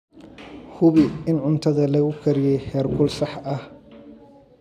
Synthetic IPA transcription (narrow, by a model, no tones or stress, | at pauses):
hʊβɪɪnʕʊnt̪ʰɐðɐlɐɣʊkʰɐɾɪjɛjhɛːrkʰʊlsɑħɐh